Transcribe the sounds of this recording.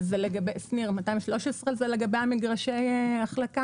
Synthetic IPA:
zeleɡabejsniʁmatajimʃlo̞ʃesʁezeleɡabejamiɡʁaʃejeaχlaka

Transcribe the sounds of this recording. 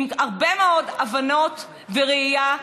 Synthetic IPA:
maʁbemeodavano̞t | veʁeija

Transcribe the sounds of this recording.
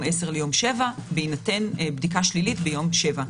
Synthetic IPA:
meseʁlejo̞mʃe̞vabeinatenbdikaʃlilitbejo̞mʃe̞va

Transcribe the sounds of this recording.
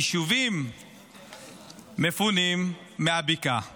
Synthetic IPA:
ʃuvim | efunimː | eabika

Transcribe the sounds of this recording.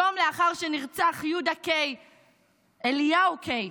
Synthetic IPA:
omleaχaʁʃeniʁt͡saχjudakej | elijaukʰej

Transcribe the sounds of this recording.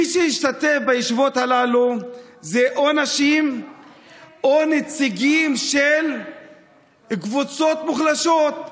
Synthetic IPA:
iʃehiʃt̪at̪e̞fbajiʃvo̞t̪halalu | zeʔonaʃim | onet͡siɡimʃel | ɡvut͡so̞t̪muχlaʃo̞t̪̚

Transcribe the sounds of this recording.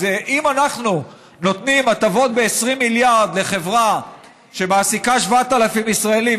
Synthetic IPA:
eʔimanaχnu | no̞t̪nimatavo̞t̪̚be̞ːsʁimːiljaʁd̪le̞χe̞vʁa | ʃe̞maːsikaʃvaat̪alafimisʁaeli

